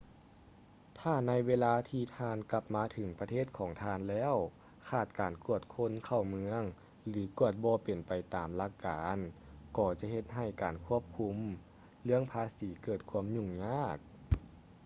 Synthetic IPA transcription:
t̪ʰaː˧˩na˧˥jweː˧laː˧t̪ʰiː˧t̪ʰaː˧nka˧p̚maː˧t̪ʰɯ˨˩˦ŋpa˧t̪ʰeː˥˩t̪̚kʰɔː˩˦ŋt̪ʰaː˧˨nlɛː˧˥˨w | kʰaː˧˩t̪̚kaː˨˩nku˧˥˩ət̪̚kʰo˧˥˨nkʰa˧˩wmɯ˧˥əŋ | lɯː˩˦ku˧˩ət̪̚bɔː˧˦pe˨˩npa˨˩jt̪aː˨mla˧˥kːaː˨nkɔː˧˩t͡ɕa˧˦ɦe˧t̪̚ɦa˧˩jkaː˨˩nkʰu˥˩əp̚kʰu˧˥m | lɯ˥˧əŋpʰaː˧˥siː˨˦kɤː˧˩t̪̚kʰu˧˥əmɲu˧˩ŋɲaː˧˥˩k̚

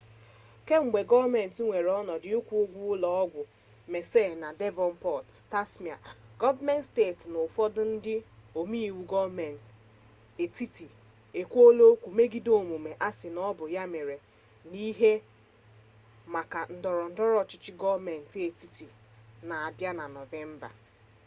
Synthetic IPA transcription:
ke˦ŋ͡m̩˨ɡ͡be˨ɡɔ˦vme˨n̩˨tŋʷe˨ɾɔ˦nɔ˨dɪ˨ʊ˦kʷu˦o˦ɡʷu˦ʊ˦lɔ˨ɔ˦ɡʷʊ˨ | me˨se˦˨na˨de˦vɔ˨n̩˦pɔ˦˨tta˦sm˨a̰˨ɡ̥ɔ˦va˦mɛ˦ntste˦˨tnʊ˨fɔ˦dʊ˦n̩˦dɪ˦o˨mi˦i˨wu˨ɡɔ˦vme˨n̩˨t | e˨ti˦ti˨ | e˨kʷo˦lo˦kʷu˨me˦ɡi˦do˦˨mu˨me˨ʔa˦sɪ˨nɔ˦bʊ˨ja˦me˨ɾe˨ | ni˦ɦe˦ | ma˨ka˨n̩˨dɔ˨ɾɔ˨n̩˦dɔ˦ɾɔ˦t͡ʃɪ˦t͡ʃɪ˦ɡɔ˦vme˨n̩˨te˨ti˦ti˨ | na˨a˨bja˦na˨nɔ˨ve˦m̩˦ba̰˨

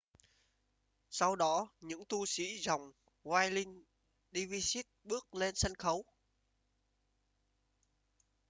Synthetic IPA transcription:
sa˧wɗɔ˨˦ɲɨ̰˧˥ŋt̪u˧sḭ˧˥za˨˩wŋ͡m | waː˧jlï˧ŋ | ɗi˧vi˧si˦˥t̚ɓɨ˦˥ək̚le˧nsə˧nxə˨˦w

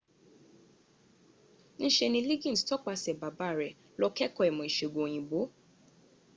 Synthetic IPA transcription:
n̩˦ʃe˧nĩ˧li˦ɡĩ˦˨stɔ˦k͡pa˧sɛ˨ba˨ba˨˦˨ɾɛ˨ | lɔ˧kɛ˦kɔ˧ɛ˨mɔ̃˨i˨ʃe˨ɡõ˨j̃ĩ˨bo˨˦

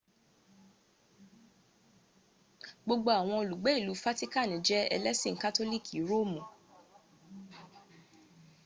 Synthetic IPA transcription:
ɡ͡bo˧ɡ͡bo˧a˨w̃ɔ̃˧o˧lu˨ɡ͡bɛ˨˦i˦˨lu˨˦fa˦ti˦ka˦˨nĩ˨˦d͡ʒɛ˦ɛ̰˧lɛ˦sĩ˦˨˦ka˦to˦li˦˨kʰi˨˦ɾo˦˨mũ˨

